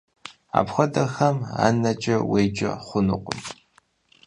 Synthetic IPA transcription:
a̰ːpʰxʷɔdɐxɐma̰ːnɐt͡ʃʼɐwejt͡ʃʼɐ̰χʷʊnuqʷʼʊm

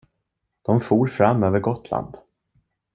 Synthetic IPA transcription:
d̪̥ɔmfuːɾfɾamːøːvəɾɡɔt̪ʰla̰nd̪

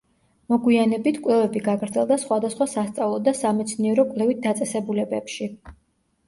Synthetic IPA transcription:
mɔɡwianɛbit̪ʰkʼwlɛvɛbiɡaɡɾd̪zɛlˠd̪asχwad̪asχwasast̪sʼavlˠɔd̪asamɛt̪sʰniɛɾɔkʼlɛvit̪̚d̪at̪sʼɛsɛbulɛbɛpʃi

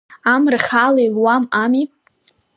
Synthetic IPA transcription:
amrɨχʲalailwamami

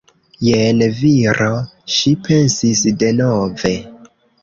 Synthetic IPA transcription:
jenviɾʔoʃipʰe̞nsisde̞nove̞

